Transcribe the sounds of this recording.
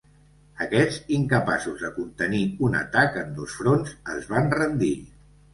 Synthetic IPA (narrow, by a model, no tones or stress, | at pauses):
əkɛziŋkəpasuzðəkunt̪əniunə̰t̪akənd̪osfɾonzə̰zβanrənd̪i